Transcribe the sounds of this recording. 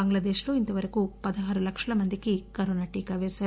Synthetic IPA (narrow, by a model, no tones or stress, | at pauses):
ɐŋɡlaːd̪eːʃlo̞ːint̪ɐʋɐɾɐkupɐd̪ɐɦaːɾulɐkʂɐlɐmɐnd̪ikikɐɾoːnaːʈiːkaːʋɛːʃaːɾu